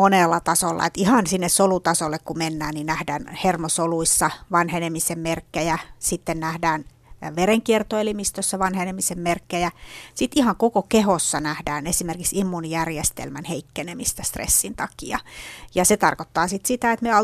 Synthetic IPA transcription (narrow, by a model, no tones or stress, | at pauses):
onelːɑt̪ɑsolːɑ̰et̪ihɑnsinːessolut̪ɑsolːekkumenːæːnninæhdæːnhermosoluisːɑʋɑnhenemisemmerkːejæsit̪ːennæhdæːn | ʋereŋkiert̪oelimist̪øsːæʋɑnhenemisemmerkːejæsit̪ihɑŋkokokehosːɑnæhdæːnesimerkiksimːunijærjest̪ḛlmænheikːenemist̪æst̪rḛsːint̪ɑkiɑ̰jɑset̪ɑrkot̪ːɑːsit̪sit̪æet̪meɑ